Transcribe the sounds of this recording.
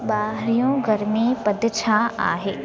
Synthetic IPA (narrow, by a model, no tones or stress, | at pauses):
baːɦɾijõɡɐɾmipɐd̪ʱt͡ʃʰaa̰ːɦeː